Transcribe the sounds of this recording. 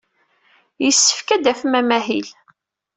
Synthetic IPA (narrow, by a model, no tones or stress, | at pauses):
jəsːə̥fkæd̪æfmæmæhḭl